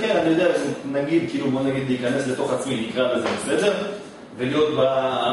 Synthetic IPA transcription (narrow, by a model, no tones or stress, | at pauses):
kenanijo̞d̪eaʃnaɡid̪kiilubo̞naɡid̪liikane̞sle̞t̪o̞χat͡sminikʁabezemesned͡ʒeʁ | velijo̞t̪̚ba